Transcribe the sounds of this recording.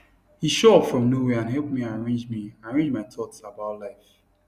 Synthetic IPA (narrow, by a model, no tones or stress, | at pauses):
hiʃɔfɹɔ̃mnoweãnɦɛlˠp̚miaɹẽnd͡ʒmiaɹẽnd͡ʒmaɪtʰɔtsabaʊtlaɪf